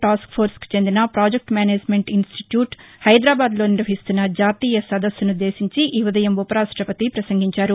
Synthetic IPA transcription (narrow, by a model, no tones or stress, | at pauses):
ʈaːskpʰoːɾski̥t͡ʃe̞nd̪inɐpɾaːd͡ʒek̚ʈmjaːneːd͡ʒme̞ɳʈinsʈiʈjuːʈhɐjd̪ɾaːbaːd̪lo̞ːniɾʋɐɦist̪unːɐd͡ʒaːt̪iːjɐsɐd̪ɐsjunud̪eːsiɲt͡ʃiʔiʋɐd̪ɐjɐmupɐɾaːʂʈɾɐpɐt̪ipɾɐsɐŋɡiɲt͡ʃaːɾu